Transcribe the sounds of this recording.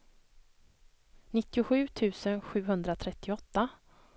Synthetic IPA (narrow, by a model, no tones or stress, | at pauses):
nɪt̪ːɪʊɧʉ̟ːt̪ʰʉ̟ːsənɧʉ̟ːɦɵnd̪ɾat̪ʰɾɛt̪ːɪɔt̪ːa